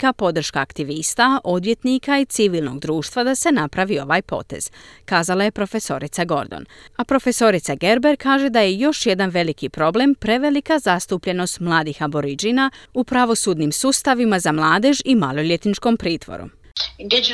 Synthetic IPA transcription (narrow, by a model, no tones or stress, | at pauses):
kapo̞d̪r̩ʃkaːkt̪iʋist̪aʔo̞d̪ʋje̞t̪nikait̪siʋilˠno̞̰ɡd̪ɾuːʃt̪ʋad̪ase̞napɾaʋio̞ʋaːjpo̞̰t̪e̞̰z̥kaːzalˠaje̞pɾo̞fe̞so̞̰ɾit̪saɡo̞̰ɾd̪o̰napɾo̞fe̞so̞ɾit̪saɡe̞ɾbe̞ɾkaːʒe̞d̪aje̞jo̞ʃje̞d̪anʋe̞likipɾo̞ble̞mpɾe̞ʋe̞likazast̪upʎe̞no̞st̪mlˠaːd̪ixabo̞ɾid͡ʒinaupɾaʋo̞suːd̪nimsuːst̪aʋimazamlˠaːd̪eʒimalˠo̞ʎjet̪nit͡ʃko̞mpɾiːt̪ʋo̞̰ɾṵ | did͡ʒ